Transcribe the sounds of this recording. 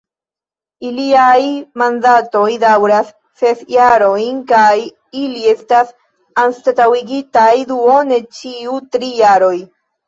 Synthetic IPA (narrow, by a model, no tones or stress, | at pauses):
iliajmandato̞jdawɾas | sefjaɾo̞jnkaj | ilie̞stas | anstatawiɡitajduo̞ne̞t͡ʃiutɾijaɾo̞j